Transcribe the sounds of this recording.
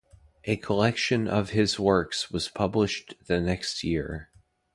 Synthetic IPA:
ʔɨkʰəlɛkʃɨ̃nʔʌ̰v̥ɪzwɜ˞kswʌz̥pʰʌblɨʃðɨnɛkst̚jɪɹ

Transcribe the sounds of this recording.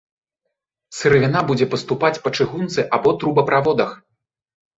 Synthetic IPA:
sɨɾɨvʲinabud͡zʲɛpɐst̪upat͡sʲpɐt͡ʂɨɣunt̪sɨʔabɔt̪ɾubɐpɾʔavɔd̪ɐx

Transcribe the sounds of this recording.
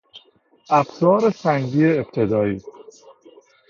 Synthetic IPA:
æfsɒːɾesæŋɡiːeːb̥̚t̪ʰed̪ɒːiːs

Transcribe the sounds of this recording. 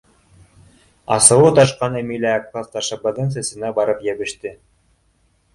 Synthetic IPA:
ɑ̰sɤ̆wɤt̪ɑʃqɑnemilʲæːk̚k̪ɑst̪ɑʃɑbɤd̪ɤnsæ̆sɘ̆næbɑɾɤpjæβɘ̆ʃt̪ɘ

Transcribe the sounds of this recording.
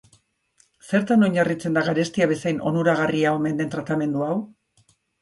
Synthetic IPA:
se̞ɾt̪ano̞ɲarit͡se̞nd̪aɣaɾe̞st̪iaβe̞sajnʔo̞̰nuɾaɣ̞ariaome̞nd̪e̞nt̪ɾat̪ame̞nd̪uaw

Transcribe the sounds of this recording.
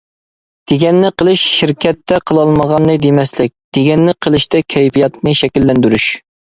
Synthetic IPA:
d̪̥eɡʲɛnːɪqʰəlˠɨʃʃiɾkʲʰɛt̪ːɛqʰəlˠɑlˠməʁɑnːɨd̪emɛslɪk̚ʲd̪̥eɡʲɛnːɪqʰəlˠɨʃt̪ɛkʲʰɛjpijɑt̪̚nɨʃɛkʲilːɛnd̪yɾyʃ

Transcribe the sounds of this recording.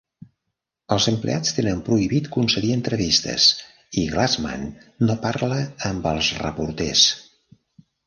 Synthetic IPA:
əlˠzəmplḛat͡st̪enəmpɾuiβit̪kunsəɾiənt̪ɾəβist̪ə̰s | iɣlazma̰nːopaɾləːmbəlˠzrə̰puɾt̪ɛs

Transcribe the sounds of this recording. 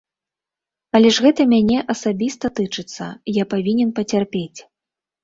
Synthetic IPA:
ɐlʲɛʐɣɛt̪ɐmʲanʲɛʔɐsabʲist̪ɐt̪ɨt͡ʂɨt̪sːɐ̰japavʲinʲɛnpɐt͡sʲarpʲet͡sʲ

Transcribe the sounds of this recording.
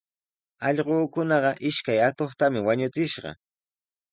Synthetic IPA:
ɑʎɢoːkʊnɑɢɑʔɪʃkajat̪oχt̪amɪwaɲʊt͡sɪʃɢɑ̰

